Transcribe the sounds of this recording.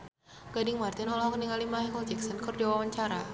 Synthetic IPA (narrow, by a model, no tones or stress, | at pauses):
ɡ̥adɪŋmart̪inɔlɔɦkəniŋalimaɦɛkɔld͡ʒɛksənkɔrdiwawaɲt͡ʃaɾa